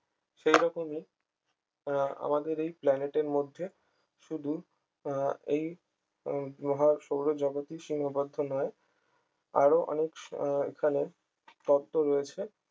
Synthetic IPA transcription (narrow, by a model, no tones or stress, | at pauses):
ʃejɾɔkomi | a̰mad̪eɾejplɛneʈeɾmod̪ʱːe | ʃud̪ʱu | ej | mɔɦaʃowɾod͡ʑɔɡot̪iʃiŋkʰabod̪ʱːonɔe | a̰ɾoʔɔ̰nekḛkʰane | k̪ɔd̪ːoɾoet͡ɕʰe